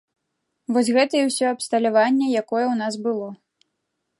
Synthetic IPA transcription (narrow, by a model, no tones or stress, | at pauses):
vɔsʲɣɛt̪ɐjɛwsʲɔɐpst̪ɐlʲavanʲːɛjakɔjɛwnasbɨlˠɔ